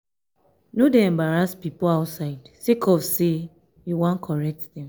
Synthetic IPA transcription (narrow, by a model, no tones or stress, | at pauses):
nodeɛ̃mbaɾaspipoaʊtsaɪdsikʰɔfse | juwãnkʰɔɹɛk̚tdɛ̃m